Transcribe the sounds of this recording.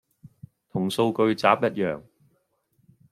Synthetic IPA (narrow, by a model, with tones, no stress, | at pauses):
t̪ʰʊ˨˩ŋso˧wkɵ˧ɥt͡sa̰ː˨˥p̚jɐ˥t̚jœ̰ː˨˩ŋ